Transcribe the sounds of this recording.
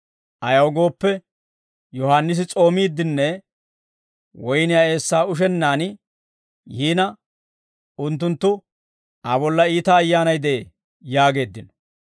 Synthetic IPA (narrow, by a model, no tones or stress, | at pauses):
ʔɐjɐwɡo̞ːpːɛ | jɔhaːnːɪs̬ɪt͡sʼo̞ːmiːd̪ːɪnːɛ | wɔjnɪjae̞ːsːaːʊʃ̬ɛnːaːnɪ | jiːnɐ | ʊnt̪̬ːʊnt̪ːʊ | ɐbɔlːɐiːt̪ɐːjːaːnɐjd̪e̞ː | jaːɡe̞ːd̪ːɪnɔ̥